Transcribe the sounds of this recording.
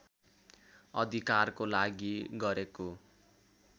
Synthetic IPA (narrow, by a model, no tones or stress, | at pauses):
ʌd̪ʱikarkolaɡiɡʌɾeko